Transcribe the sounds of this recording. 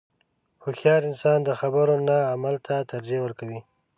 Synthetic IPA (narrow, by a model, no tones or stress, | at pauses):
xoxjɑɾɪnsɑnd̪əxabəɾonaːmalt̪ʰat̪aɾd͡ʒewəɾkawi